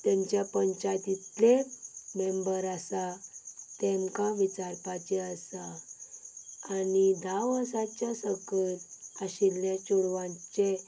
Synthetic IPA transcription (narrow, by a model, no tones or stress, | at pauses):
t̪jãɲt͡ɕjapəɲt͡ɕajt̪it̪lemembəɾasat̪emkaʋit͡ɕaɾpat͡ɕeəsa | anid̪ʱaʋəsat͡ɕjasəkəlaɕilːjat͡ɕoɽʋãɲt͡ɕe